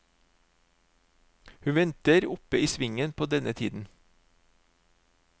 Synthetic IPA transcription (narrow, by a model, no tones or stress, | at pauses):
hʉːʋɛnt̪əɾʊpəiːsʋɪŋənpʰoːd̪ɛnət̪ʰḭːd̪n̩